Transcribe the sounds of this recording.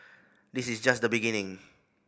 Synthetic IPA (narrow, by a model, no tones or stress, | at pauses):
disisd͡ʒasd̪əbiɡinɪ̃ŋ